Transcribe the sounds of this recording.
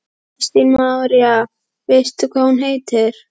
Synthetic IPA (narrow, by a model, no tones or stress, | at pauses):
st̪inmawɾja | vest̪ʏkʰvaːhunɦejt̪ɪɾ̥